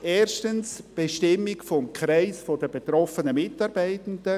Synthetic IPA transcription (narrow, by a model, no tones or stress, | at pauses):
ʔeːɾʃtənsb̥eʃtɪmːɪkfɔmkʰɾaɪsfodəbet̪ɾɔfənəmɪtɑɾbaɪtəndə